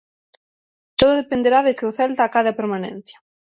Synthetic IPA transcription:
t̪oðʊðepend̪eɾaðekɪʊθɛlt̪aːkaðeapeɾmanḛ̃n̟θjḁ

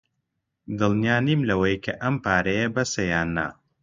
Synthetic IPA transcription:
d̪ɨlˠnijaːnimlɐwɐjkʰɐʔɐmpʰaːɾɐjɐbɐsɐjaːnːa̰

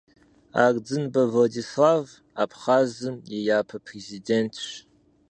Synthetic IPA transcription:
a̰ːrd͡zɨnbɐvɔdislaːv | apʰχaːzɨmjɛjaːpʰɐpʰrezideːntʰɕ

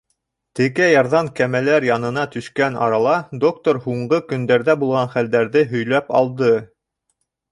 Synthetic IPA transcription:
t̪ɘ̆kæjɑɾðɑmkæmælæɾjɑnɤ̆nɑt̪ɵ̆ʃkænɑ̰ɾɑlˠɑd̪ok̚t̪oɾhuɴɢɤkɵ̆nd̪æɾðæbulˠʁɑnχæld̪æɾðɘɦɵ̆jlæpɑlˠd̪ɤ

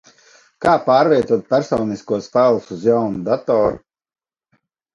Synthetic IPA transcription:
kaːpaːɾvʲiɛt̪uɔt̪̚pʲæɾsɔːniskuɔspælˠusuzjawnud̪at̪ɔːɾṵ

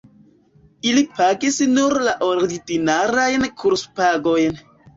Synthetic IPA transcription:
ilipaɡisnuɾlaʔoɾidinaɾajnkʰuɾspaɡojn

